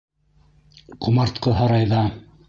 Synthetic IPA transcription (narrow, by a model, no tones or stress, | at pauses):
qʰŭmɑɾt̪qɤɦɑɾɑjðɑ